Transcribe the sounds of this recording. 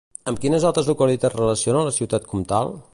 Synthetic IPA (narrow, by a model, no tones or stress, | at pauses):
əmkinəzalˠt̪ɾəzukəlit̪at̪rələsionənləsiwt̪at̪̚kʰɔmt̪a̰lˠ